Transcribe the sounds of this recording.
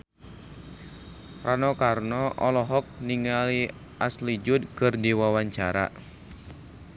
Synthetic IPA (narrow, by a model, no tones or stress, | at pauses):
rʔanɔkarnɔʔɔlɔɦɔk̚niŋali | ʔaslid͡ʒʊd̚kɨrdiwawaɲt͡ʃaɾa̰